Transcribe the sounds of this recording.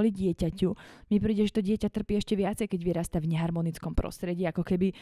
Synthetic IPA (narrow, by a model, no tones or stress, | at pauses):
liɟɪɛcacumipɾiːɟɛʒɛt̪ɔɟɪɛcat̪r̩piːɛʃcɛʋɪat͡sɛjkɛɟʋiɾaːst̪avɲɛɦaɾmɔnit͡skɔmpɾɔ̰st̪ɾɛɟiːakɔkɛbi